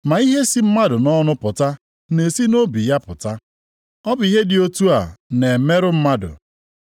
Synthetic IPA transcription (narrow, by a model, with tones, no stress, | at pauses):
ma˨i˦ɦe˦si˦m̩˦ma˦dʊ˨nɔ˦nʊ˦pʊ˨ta˦ | ne˨si˦no˦bi˨ja˦pʊ˨ta˦ | ɔ˦bʊ˨i˦ɦe˦dɪ˨o˦tu˦a˨ne˨me˦ɾʊ˦m̩˦ma˦dʊ̰˨